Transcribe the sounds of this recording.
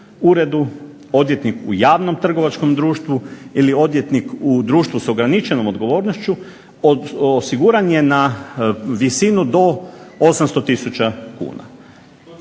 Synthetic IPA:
uɾe̞d̪u | o̞d̪jet̪nikṵjaːʋno̞mt̪r̩ɡo̞ʋat͡ʃko̞md̪ɾuːʃt̪ʋuilio̞d̪ʋje̞t̪nikud̪ɾuːʃt̪ʋuso̞ɡɾanit͡ʃe̞no̞mo̞d̪ɡo̞ʋo̞ːɾnoʃt͡ʃu | osiɡuːɾanje̞na | ʋisinud̪o̞osamst̪o̞t̪isut͡ʃakṵːna̰

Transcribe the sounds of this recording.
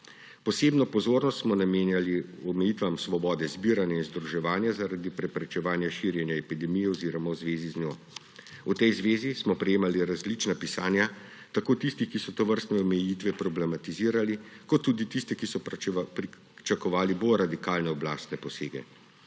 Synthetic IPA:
pɔseːbnɔpɔzoːɾnɔst̪smɔnameːnjaliɔmɛjit̪ʋamsʋɔbɔːd̪ɛzbiːɾanjainzd̪ɾuʒɛʋaːnjazaɾad̪ipɾɛpɾɛt͡ʃɛʋaːnjaʃiɾjɛnjaɛpid̪ɛmijɛɔziːɾɔmawzʋeːziznjɔː | ut̪ɛjzʋeːzismɔpɾɛjeːmaliɾazlit͡ʃnapisaːnja | t̪akoːt̪ist̪ixkisɔt̪ɔʋəɾst̪nɛɔmɛjit̪ʋɛpɾɔblɛmat̪iziːɾalikɔt̪ːuːd̪it̪ist̪ɛkisɔpi | t͡ʃakɔʋaːliboɾad̪ikaːlnɛɔbla̰ːst̪nɛpɔseːɡɛ̰

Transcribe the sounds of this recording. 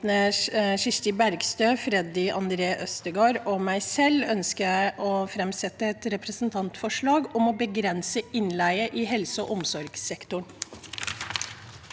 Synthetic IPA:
nəʂɪʂt̪ɪbæɾɡst̪øːfɾɛd̪ɪʔɑnd̪ɾeːʔœst̪əɡoːɾɔmæɪsɛlːœnskəjæɪʔɔfɾɛmsɛt̪ːəɛt̪ɾɛpɾəsn̩t̪ʰɑnt̪fɔʂɭɑːɡɔmɔbəɡɾɛnsəɪnlæɪəʔɪhɛlsəɔ̰ʔʊmsɔɾɡsɛkt̪ʊɳ

